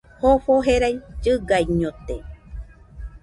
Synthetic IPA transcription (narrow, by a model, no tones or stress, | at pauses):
hoɸoɦeɾajd͡ʒɨɡajɲõt̪e